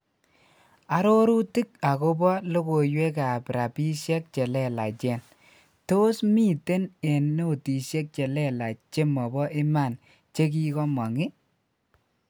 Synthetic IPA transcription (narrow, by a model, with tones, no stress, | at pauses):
a˦ɾo˦ɾu˦ti˦k̚a˨ko˦bɔ˦lo˦ko˨jwe˦ka˨pɾa˨pi˦ʃjɛ˦k̚t͡ʃɛ˨lɛ˨la˨t͡ʃɛ˨n | to˦smi˦˨te˦ne˨nːo˦˨ti˨ʃe˦k̚t͡ʃe˨lɛ˦la˨t͡ʃe˦mɔ˨bɔ˦ʔɪ˦ma˦˨n | t͡ʃe˦k̬i˦kɔ˦mɔ˨ŋɪ˦